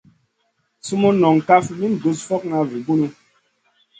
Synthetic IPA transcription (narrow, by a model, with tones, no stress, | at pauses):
su˦mo˦nɔ˨ŋ˨ka˦fmi˦n˨du˨˦sfɔ˦k̚na˦vi˨bu˦nu˦